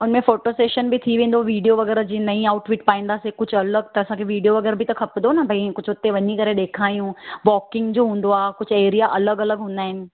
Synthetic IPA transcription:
ʊnmẽfoːʈoseːʃənbɪt̪ʰiʋẽːnd̪oʋiːɖijoʋɐɡɛːɾd͡ʑiːnɐĩaːʊʈfɪʈpaːĩːn̆d̪aːsekʊd͡ʑʱʊɐləɡ̚t̪ɐɐsãkʰeʋiːɖijoʋɐɡɛːɾbɪt̪ɐkʰɐpd̪onɐbʱɐikʊd͡ʑʱʊt̪eʋɐɲikɐɾeɗeːkʰaːjũʋɔːkɪ̃ŋɡd͡ʑoːɦũːn̆d̪oaːkʊd͡ʑʱʊeːɾijaʔɐləɡɐləɡɦũːn̆d̪aːɦɪnɪ̆

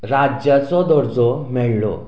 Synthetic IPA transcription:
ɾad͡ʑjat͡sɔd̪ɔɾd͡zɔmɛɭɭɔ̰

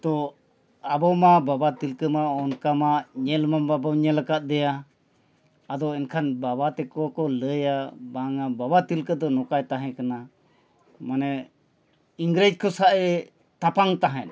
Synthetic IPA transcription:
t̪ɔ | abɔmababat̪ilkəmaɔnkamaʔɲɛlmambabaɲɛlakat̪̚ˀd̪ɛja | d̪ɔɛnkʰanbabat̪ɛkɔwakɔləjabaŋababat̪ilkəd̪ɔnɔkajt̪aɦɛ̃kana | manɛ | iŋɡɾed͡ʒ̚kʰɔsaʔɛ | t̪apaŋt̪aɦɛ̃n

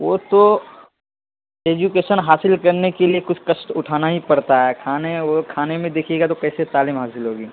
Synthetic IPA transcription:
ʋot̪o | eːd͡ʒukeːʃənɦaːsɪlkɐɾnekeliekʊt͡ʃʰkɐʃʈʊʈʰaːnaɦipɐɽt̪aɦɛːkʰaːneʋokʰaːnemẽd̪eːkʰieːɡat̪okɛːset̪aːliːmɦaːsɪlɦoːɡiː

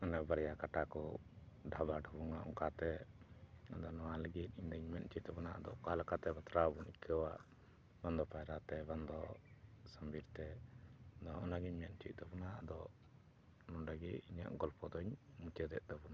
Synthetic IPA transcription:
anɛbaɾjakaʈakɔɖʱabaɖʱubuŋaʔṵŋkat̪ɛ | ad̪ɔnɔwaləɡit̪̚ˀiɲd̪əɲmɛn̚t͡ʃit̪̚t̪ɛbɔnaʔad̪ɔkalakat̪ɛbat̪ɾabunikʰəwaʔ | band̪ɔpajɾat̪ɛband̪ɔsəmbiɾt̪ɛ | d̪ɔɔnaɡiɲmɛn̚t͡ʃit̪̚ˀd̪ɔbɔnad̪ɔ | nɔnɖəɡiiɲa̰ʔɡɔlpɔd̪ɔɲmut͡ʃəd̪ɛ̰ʔ̚d̪ɔbɔna

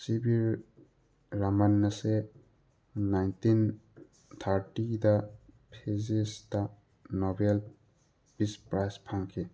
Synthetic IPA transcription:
sibiɾː | amanːaseː | ajntin | t̪ʰaɾʈidapʰezesda | nɔbel | pispɾajspʰaŋkʰe

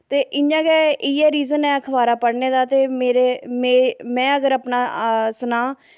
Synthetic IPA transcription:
t̪eːʔɪjãːkɛːɪːɛːɾiːzənɛ̃ːkʰəʋaːɾaːpəɽneːd̪aːt̪eːmeːɾeːmeːmɛ̃ːəɡəɾəpnaːsənãː

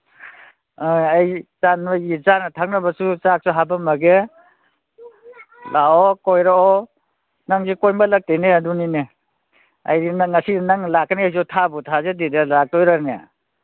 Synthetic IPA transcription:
ajajzanbaizanatʰak̚nabasut͡ʃak̚suɦabamɐɡe | laɔkojɾaɔ | naŋzekɔjmbalak̚teneadunine | a̰jinaŋːasinaŋlakaneajzɔtʰabutʰazedidalak̚tɔjɾana̰

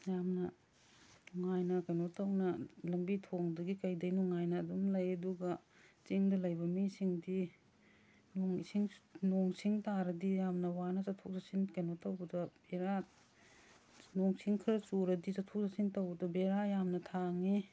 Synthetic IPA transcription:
jamnɐ | nɔŋajnɐkɐjnotɐwnɐlɐmbitʰoŋdɐɡikɐjdɐjnɔŋajnɐːduŋlɐjɐduɡɐ | t͡ʃiŋdɐlɐjbɐmisiŋdi | noŋsiŋnoŋsiŋtaɾɐdijamnɐwanɐsatʰok̚zasinkɐjnotɐwbɐdɐb̥eɾa | noŋsiŋkʰiɾɐsuɾɐdit͡ʃatʰok̚zasintɐwbɐdɐbeɾajamnɐtʰaŋi

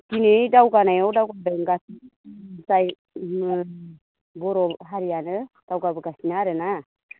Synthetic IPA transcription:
tinedawɡanajɔdawɡabeŋɡas | saj | m | bɔɾɔɦaɾianɯ | d̥awɡabɯɡasinaɾena

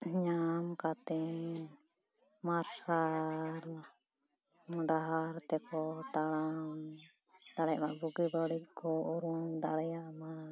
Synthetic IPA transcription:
ɲamkat̪ɛ | maɾsaɾ | mɖaɦaɾt̪ɛkɔt̪alam | d̪̥aɽɛjaʔmaʔbuɡibaɽikkɔʔuɾuŋd̪aɽɛjaʔma

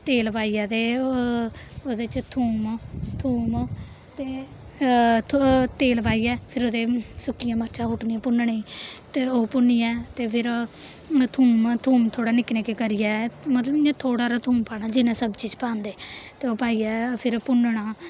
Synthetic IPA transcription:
t̪eːlpaːiːaːd̪eː | od̪eːt͡ʃt̪ʰuːmt̪ʰuːm | t̪eː | t̪eːlpaːiːɛːpʰɪɾoːd̪eːsʊkijãːməɾt͡ʃʰaːɦʊʈnijãːpʊnɳeiːt̪eːoːpʊniːɛːt̪eːpʰɪɾ | t̪ʰuːmt̪ʰuːmt̪ʰoːɽaːnɪkneːkekəɾijaːmət̪ləbɪãːt̪ʰoːɽaːɾat̪ʰuːmpaːɽaːd͡ʒɪnãːsəbt͡ʃiːd͡ʒpãːnd̪eːt̪eːoːpaːiːɛːpʰɪɾpʊnɳaː

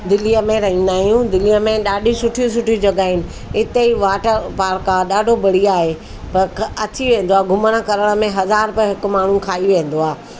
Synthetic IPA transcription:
d̪ɪlijəmẽɾɐɦĩːnd̪aːɦjũd̪ɪlijəmẽɗaːɗʱisʊʈʰijũs̬ʊʈʰid͡ʑɐɠaːɪnɪ̆ | ɪt̪eiʋaːʈəɾpaːɾkaɗaːɖʱobɐɽ̤iaːɦe | pɐɾkɐt̪ʰiʋẽːn̆d̪oaːɡʱʊmənəkɐɾəɽ̃ə̆mẽɦɐzaːɾpɪɦɪkʊ̆maːɳ̤ũkʰaːiʋẽːn̆d̪oaː

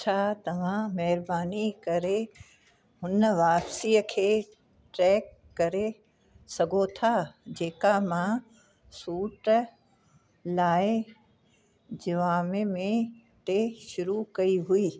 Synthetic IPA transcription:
t͡ɕʰaːt̪ɐʋ̤ãmɐɦɪɾbaːnikɐɾe | ɦʊnəʋaːpsiːəkʰeː | ʈɾɛːkːɐɾe | sɐɡʱot̪ʰad͡ʑeːkamã | suːʈ | laːɪ | d͡ʑɐʋaːmemẽ | ʈeʃʊɾukɐiɦuiː

